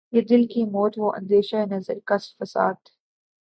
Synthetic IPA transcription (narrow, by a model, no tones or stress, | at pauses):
jed̪ɪlkiːmoːt̪ʋoːʔɐ̰̃nd̪eːʃɐɪnəzɐɾkɐsfɐsa̰ːd̪